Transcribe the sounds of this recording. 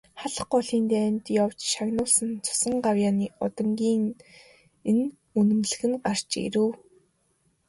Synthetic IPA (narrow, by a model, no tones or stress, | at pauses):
χaɮə̆χɔɮiːnt̪enʲt̪jawt͡ɕʃaɣnʊːɮsə̆nt͡sʰʊ̥sə̆ɴɢawjaːniːɔt̪ɞ̆ŋɡʲiːŋ | en | unɘ̆mɮɘ̆ɣɘ̆nɢar̥t͡ɕḛɾɘ̆w